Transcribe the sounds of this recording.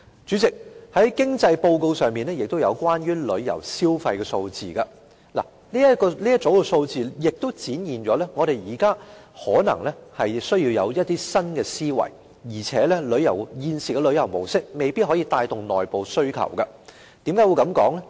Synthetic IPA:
t͡ʃyː˨˥t͡sɪ˨k̚hɐ˨˥jkɪ˥ŋt͡sɐ˧jpo˧wko˧wsœː˨ŋmiː˨nɛː˥jɪ˨k̚t̪o˥wjɐ̰˨˧wkwaː˥nɥyː˥lɵ˨˧ɥjɐ̰˨˩wsiː˥wfɐ˧jkɛ˧so˧wt͡sḭː˨kɐ˧ | la̰˨˩ | liː˥jɐ˥kɔː˧li˥jɐ˥t̚t͡so˨˥wkɛ˧so˧wt͡siː˨jɪ˨k̚t̪o˥w̚t͡siː˨˥njiː˨nt͡ʃɔː˨˥lɛː˥ŋɔː˨˧ɾe˨jjiː˨˩kaː˥hɔː˨˥nɐ̰˨˩ŋlɛ˥hɐ˨jsɵ˥ɥjiː˧wjɐ˨˧wjɐ˥t̚t̪iː˥sɐ˥nkɛː˧siː˥wɐ̰˨˩j | jiː˨˩t͡sʰɛː˨˥lɛ˥lɵ˨˧ɥjɐ˨˩wjiː˧nsiː˨˩kɛ˧lɵ˨˧ɥjɐ˨˩wmo˨˩wsɪ˥k̚me˨˧jpiː˥t̚hɔː˨˥jiː˧t̪aː˧jt̪ʊ˨˩ŋnɔː˨jpo˨wsɵ˥ɥkʰɐ̰˨˩wkɐ˧ | t̪iː˨˥mkaː˥wu˧wkɐ˨˥mkɔː˨˥ŋlɛ˥

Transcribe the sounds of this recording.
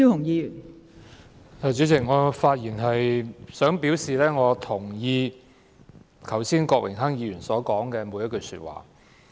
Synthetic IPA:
y˥ʊ˨˩ŋjiː˨˧jy˨˩n | aː˨˧t͡ʃyː˨˥t͡sʰɪ˨˩ŋŋɔː˨˧faː˧t̚jiː˨˩nɦɐ˨jsœː˨˥ŋpiː˨˥wsiː˨lɛː˥ŋɔː˨˧t̪ʰʊ˨˩ŋjiː˧ | kʰɐ˨˩wsiː˥nkɔː˧k̚wʔɪ̰˨˩ŋɦɐ˥ŋjiː˨˧jyː˨˩nsɔː˨˥kɔː˨˥ŋkɛː˧mu˨˧jɐ˥tkɵ˧syː˧t̚wa̰ː˨˩

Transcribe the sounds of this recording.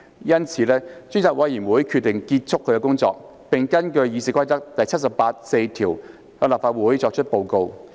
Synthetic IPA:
jɐ˥nt͡sʰiː˨˧lɛː˥t͡ʃy˥nt͡saː˨˩k̚wɐ˨ji˨˩nwuː˨˥jkʰy˧t̚t̪ːɪ˨˩ŋkiː˧t̚t͡sʰʊ˥kʰːɵ˨˧ɥkɛ˧kʊ˥ŋt͡sɔ̰ː˧k̚ | pɪ˨ŋkɐ˥nkɵ˧ɥjiː˨˧siː˨kʷɐ˥jt̪ɐ˥k̚t̪ɐ˨jt͡sʰɐ˥t̚sɐ˨paː˧t̚se˧jt̪ʰiː˨˩w | hœː˧ŋlaː˨p̚faː˧t̚wuː˨˥jt͡ʃɔː˧k̚t͡ʃʰɵ˥t̚po˧wko˧w

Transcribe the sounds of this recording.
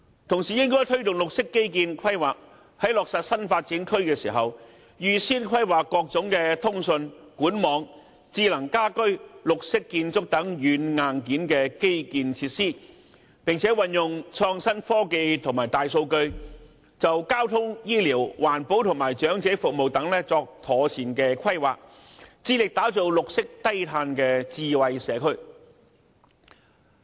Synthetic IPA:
t̪ʰʊ˨˩ŋsiː˨jɪ˥ŋkɔː˥jt̪ʰɵ˥ɥt̪ʊ˨ŋlʊ˨k̚sɪ˥kːe˥jkiː˧nkʰɐ˥jwaː˨k̚ | hɐ˨˥jlɔː˨k̚sɐ˨t̚sɐ˥nfaː˧t̚t͡siː˨˥nkʰɵ˥ɥkɛː˧sḭː˨˩ɦɐ˨w | jyː˨˧siː˥nkʰwɐ˥jwaː˨kːɔː˧k̚t͡sʊ˨˥ŋkɛː˧t̪ʰʊ˥ŋsɵ˧nkuː˨˥nmɔː˨˧ŋ | t͡siː˧˥lɐ˨˩ŋkaː˥kɵ˥ɥlʊ˨k̚sɪ˥kːiː˧nt͡sʊ˥k̚t̪ɐ˨˥ŋjyː˨˥nŋaː˨nkiː˨˥nkɛː˧ke˥jkiː˧nt͡sʰiː˧t̚siː˥ | pɪ˨ŋt͡sʰɛː˨˥wɐ˨njʊ˨ŋt͡sʰɔː˧ŋsɐ˥nfɔː˥ke˧jt̪ʰʊ˨˩ŋmaː˨˩jt̪aː˨jso˧wkɵ˧ɥ | t͡sɐ˨wkaː˥wt̪ʰʊ˥ŋjiː˥liː˨˩wwaː˨˩npo˨˥wt̪ʰʊ˨˩ŋmaː˨˩jt͡ʃœː˨˥ŋt͡sɛː˨˥fʊ˨k̚mo˨wt̪ɐ˨˥ŋlɛː˥t͡sɔː˧k̚t̪ʰɔː˨˩t͡sʰiː˨˩nkɛː˧kʰɐ˥jwa̰ː˨˩k̚ | t͡siː˧˥lɪ˨k̚t̪aː˨˥t͡so˨˧wlʊ˨k̚sɪ˥k̚t̪ɐ˥jt̪ʰaː˧nkɛː˧t͡siː˧wɐ˧jsɛː˨˧kʰɵ˥ɥ

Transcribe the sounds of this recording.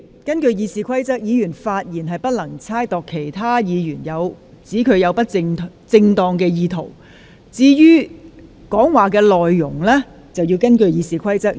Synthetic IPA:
kɐ˥nkɵ˧ɥjiː˨˧siː˨˧kʷʰɐ˥jt͡sɐ˥k̚jiː˨˧jyː˨˩nfaː˧t̚jiː˨˩nɦɐ˨jpɐ˥t̚lɐ˨˩ŋt͡sʰaː˥jt̪ɔː˨kʰːe˨˩jt̪ʰaː˥jiː˨˧jyː˨˩njɐ˨˧w | t͡siː˨˥kʰɵ˨˧ɥjɐ˨˧wpɐ˥t̚t͡sɪ˧ŋʰ | t͡sɪ˧ŋt̪ɔː˨˧ŋkɛː˧jiː˨˧t̪ʰo˨˩w | t͡siː˥jyː˥ | kɔː˨˥ŋwaː˨˩k̬ɛː˧lɔː˨jːʊ˨˩ŋlɛː˥ | t͡sɐ˨wjiː˧wkɐ˥nkɵ˧ɥjiː˨˧siː˨˩kʷʰɐ˥jt͡sɐ˥k̚

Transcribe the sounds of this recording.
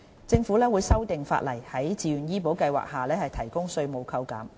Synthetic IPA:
t͡sɪ˧ŋfu˨˥lɛː˥wuː˨˧jsɐ˥wt̪ɪ˨ŋfa̰ː˧t̚lɐ˨˩jhɐ˨˥jt͡siː˨ɥyː˨˩njiː˥po˨˥wkɐ˧jwa̰ː˨˩k̚haː˨lɛː˥hɐ˨jt̪ʰɐ˨˩jkʊ˥ŋsɵ˧ɥmo˨˧wkʰɐ˧wkɐ̰ː˨˥m

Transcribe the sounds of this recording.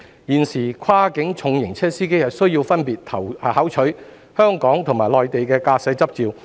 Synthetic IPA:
jiː˨nsiː˨˩kʷʰwaː˥kɪ˨˥ŋt͡sʰʊ˨˧ŋjɪ˨˩ŋt͡sʰɛː˥siː˥ke˥jhɐ˨tsɵ˥ɥjiː˧wfɐ˥npiː˨t̚t̪ʰɐ˨˩whaː˨˥wt͡ʃʰɵ˨˥ | hœː˥ŋkɔː˨˥ŋt̪ʰʊ˨˩ŋmaː˨˩lɔː˨jt̪e˨jkɛː˧kaː˧sɛː˨˥t͡sɐ˥p̚t͡siː˨˧w

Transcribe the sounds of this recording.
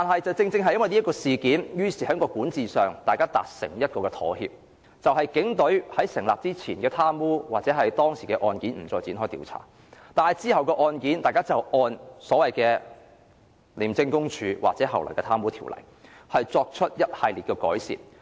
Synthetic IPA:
t̪aː˨nɦɐ˨jt͡sɐ˨wt͡sɪ˧ŋt͡sɪ˧ŋɦɐ˨jɐ˥wɐ˨jni˥kɔː˧siː˨kiː˨˥njyː˥siː˨˩hɐː˨˥ŋkɔː˧kuː˨˥nt͡siː˨sœː˨˩ŋt̪aː˨jkaː˥t̪a̰ː˨k̚sɪ̰˨˩ŋjɐ˥t̚kɔː˧kɛː˧t̪ʰɔ̰ː˨˥hḭː˧p̚ | t͡sɐ˨wɦɐ˨jkɪ˨˥ŋt̪ɵ˨˥ɥhɐ˨˥jsɪ˨˩ŋlaː˨p̚t͡siː˥t͡sʰiː˨˩nkɛː˧t̪ʰaː˥mwuː˥waː˨˩t͡sɛ˨˥ɦɐ˨jt̪ɔː˥ŋsiː˨˩kɛ˧ʔɔː˧nkiː˨˥nm̩˨˩t͡sɔː˧jt͡si˨˥nɦɔː˥jt̪ḭː˨˧wt͡sʰa̰ː˨˩ | t̪aː˨nɐ˨˩jt͡siː˥hɐ˨wkɛː˧ʔɔː˧nkiː˨˥nt̪aː˨jkaː˥t͡sɐ˨wʔɔː˧nsɔː˨˥wɐ˨jkɛː˧ | liː˨˩mt͡sɪ˧ŋkʊ˥ŋt͡ʃʰyː˨˧wa̰ː˨k̚t͡sɛː˨˥ɦɐ˨wlɔ̰˨˩jkɛː˧t̪ʰaː˥mwuː˥t̪ʰiː˨˩wlɐ̰˨˩j | hɐ˨jt͡sɔː˧k̚t͡ʃʰɵ˥t̚jɐ˥t̚hɐ˨jliː˨t̚kɛː˧kɔ̰ː˨˥jsḭ˨˩t

